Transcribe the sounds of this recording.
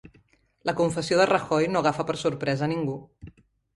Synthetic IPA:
ləkuɱfəsioðərəxɔjnoɣ̞afəpəɾsuɾpɾɛzəniŋɡu

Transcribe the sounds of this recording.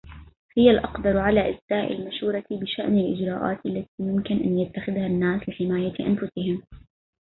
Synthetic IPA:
hɪjalʔɑqd̪ɑɾˤʕalaːʔɪsːaːʔɪ̰lmaʃuːɾˤɑbɪʃaʔnalʔɪ̰d͡ʒɾˤɑːʔa̰ːt̪ʔalːat̪iːmʊmkɪnʔa̰njat̪ːaxɪðhanːaːslɪħɪmaːjaʔa̰nfʊsɪhɪm

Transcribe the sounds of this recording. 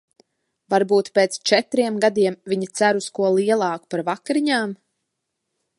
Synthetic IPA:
vaɾbuːt̪peːt̪st͡ʃɛt̪ɾiɛmɡad̪iɛmviɲit̪sæɾuskuɔlˠiɛlˠɑːkpaɾvakɾiɲaːm

